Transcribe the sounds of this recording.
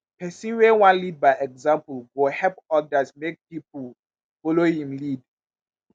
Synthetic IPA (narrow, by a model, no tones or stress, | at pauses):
pɛsĩnwewãnlid̚baɪʔɛɡzãmpulɡohɛlpɔdasmek̚pipul | folohĩmlid